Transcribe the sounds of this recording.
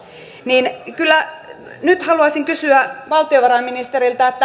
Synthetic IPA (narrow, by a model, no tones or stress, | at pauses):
niːnkylːˑæ | nyt̪hɑluɑsiŋkysyæʋɑlt̪ioʋɑɾɑminist̪erilt̪ɑet̪ːæ